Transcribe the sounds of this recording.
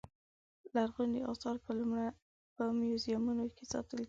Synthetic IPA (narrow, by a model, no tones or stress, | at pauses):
laɾɣund̪iʔɑsɑɾpma | pəmjozijɑmunokesɑ̰t̪əli